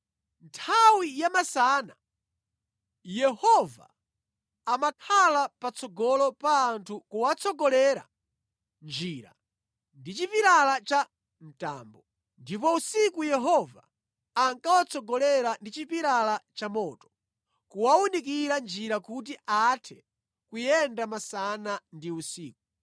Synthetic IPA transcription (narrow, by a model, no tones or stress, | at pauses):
ntʰawijamasana | jɛhɔva̰ː | makʰalapat͡sɔɡɔlɔpaːntʰukuwat͡sʰɔɡɔlɛɾa̰ | nd͡ʒiɾa̰ | ndit͡ʃipiɾalat͡ʃa | n̩ta̰ːmbɔ | ndipɔusikujɛɦɔvaː | ŋkawat͡sʰɔɡɔlɛɾandit͡ʃipiɾalat͡ʃamɔːtɔ̥ | kuwawunikiɾand͡ʒiɾakut̬iʔatʰɛ | kujɛndamasanandiusiːk̚u